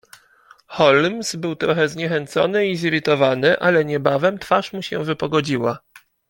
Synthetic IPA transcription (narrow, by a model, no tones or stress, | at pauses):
xɔlmsbɘwt̪ɾɔxɛzɲɛxɛnt̪sɔ̰nɘiziɾɘt̪ɔvanɘʔalɛɲɛbavɛmt̪faʂmuɕɛ̰̃vɘpɔɡɔd͡ʑiwa